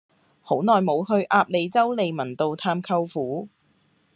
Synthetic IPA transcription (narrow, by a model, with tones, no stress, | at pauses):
ho˨˥wnɔː˨jmo˨˧whɵ˧ɥʔaː˧p̚le˨˧jt͡sɐ˥wle˨˧jmɐ˨˩nt̪o˨˧wt̪ʰaː˧mkʰɐ˧wfuː˨˥